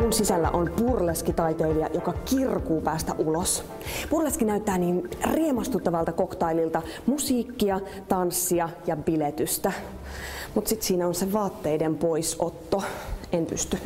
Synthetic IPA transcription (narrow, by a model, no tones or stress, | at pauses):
munsisælːæ̰ʔonpurleskit̪ɑjt̪eiliɑ̰jokɑkirkuːpæːst̪æ̰ʔulos | purleskinæyt̪ːæːniːnriemɑst̪ut̪ːɑʋɑlt̪ɑkokt̪ɑililt̪ɑmusiːkːiɑ | t̪ɑnsːiɑjɑbilet̪yst̪æ | mut̪sit̪siːnæonseʋɑːt̪ːeidempoisot̪ːoenpy̰st̪y